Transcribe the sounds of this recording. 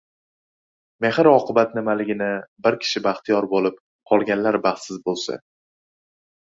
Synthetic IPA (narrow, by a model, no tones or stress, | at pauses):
mehɪɾɒqʰɨbat̪nɪmalɪɡʲɪnɪbɪɾkʲʰɪ̥ʃɪbaχt̪ʰijɒɾbolɪp̚ | qʰɒlˠɡʲanlaɾbaχt̪sɪzbolˠsa̰